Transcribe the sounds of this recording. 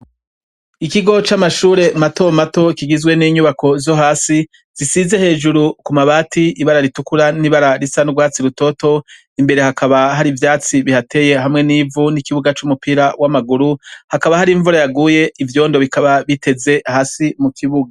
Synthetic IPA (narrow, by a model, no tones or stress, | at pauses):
ikiɡo̞t͡ʃamaʃuːɾe̞mato̞mato̞ikiɡizɡwe̞niɲuβako̞zo̞ɦaːsi | z̥isize̞he̞ːd͡ʒuɾukumaβaːtʰiiβaɾaɾitukuɾaniβaɾaɾisanuɡwaːt͡siɾuto̞to̞ | imbe̞ɾe̞hakʰaβaɦaɾivjaːt͡siβihatʰe̞ːje̞ɦamŋe̞niːvunikiβuɡat͡ʃumupiːɾawamaɡuɾuhakaβahaɾiɱvuɾajaɡuːje̞ivjo̞ːndo̞βikaβaβite̞ze̞haːsimukʰiβuɡa